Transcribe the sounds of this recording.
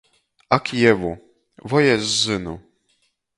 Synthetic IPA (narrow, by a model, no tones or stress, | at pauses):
akʰʲijɛvu | vɔjɛzːɘnu